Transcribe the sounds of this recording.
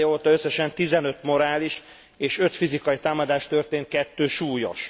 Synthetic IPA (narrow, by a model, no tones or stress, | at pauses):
joːt̪ɒøsːɛʃɛnt̪izɛnø̞t̪mo̞ɾaːliʃ | eːʃø̞t̪fizikɒjit̪aːmɒd̪aːʃt̪ørt̪eːnt̪̚kɛt̪ːøːʃuːjo̰ʃ